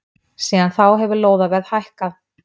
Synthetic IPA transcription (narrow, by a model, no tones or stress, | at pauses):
siːðanθawɦɛvʏloːwðavɛðhajhkað